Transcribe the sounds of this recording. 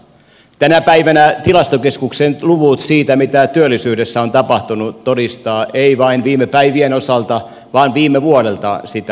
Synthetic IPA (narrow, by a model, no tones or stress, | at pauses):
t̪ænæpæiʋænæt̪ilɑst̪okeskuksenluʋut̪siːt̪æmit̪æt̪yølːisyːdesːæont̪ɑpɑht̪unut̪odist̪ɑːʔeiʋɑinʋiːmːˑepæiʋienosɑlt̪ɑ | ʋɑːnʋiːmːeʋuoɾelt̪ɑsit̪æ